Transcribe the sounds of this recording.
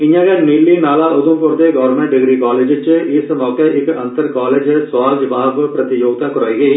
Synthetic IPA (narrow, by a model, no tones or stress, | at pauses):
ɪɲːaːɣɐniːlːiːnaːlaːʔʊðumpoːɾt̪eɡaːʋɾmẽɳʈɖɪɡɾiːkaːleːd͡ʒɪt͡ʃːɨiːsmɔːkːɐʔɪkːɐnt̪ɐɾkaːleːd͡ʒsʋaːd͡ʒʋaːʋpɾɐt̪ijoːɡ̚t̪akʊɾaːjɡeː